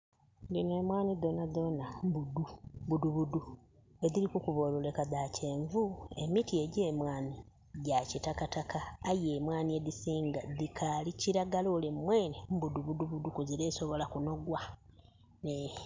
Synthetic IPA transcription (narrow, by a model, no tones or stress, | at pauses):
ndinoeːmwaːnido̞naðo̞nambudubuduβudu | e̞ðiɾikukuβoːlole̞kaðace̞ːɱvue̞mitie̞ɟeːmwaːni | ɟacitakatakaːjeːmwaːnied̪isiːŋɡad̪ikʰaliciɾaɡaloːlemmweːnembuduβuduβudukuziɾeːso̞βo̞lakuno̞ɡwa | ne